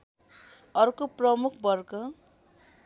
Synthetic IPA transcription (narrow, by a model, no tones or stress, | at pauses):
ʌrkoprʌmukʰbʌrkʌ